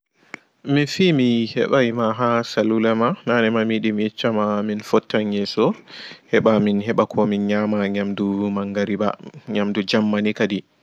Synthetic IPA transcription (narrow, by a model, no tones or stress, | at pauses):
minfimihɛ̰ɓajmaɦasalulamananɛmamiɗimjɛt͡ʃːamaminfɔtːaɲɛsɔhɛɓaminɦɛɓakʰɔminɲamaɲamdumaŋɡaɾiba̰ɲamdud͡ʒamːanikadi